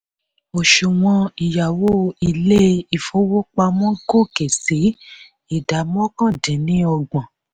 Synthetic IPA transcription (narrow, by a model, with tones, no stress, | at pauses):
o˨ʃu˨w̃ɔ̃˧i˨ja˨wo˦i˧le˦i˨fo˦wo˦k͡pa˧mɔ̃˦ɡo˦˨ke˨se˨˦ | i˨da˨˦mɔ̃˦kã˦˨dɛ̃˨nĩ˨˦ɔ˧ɡ͡bɔ̃˨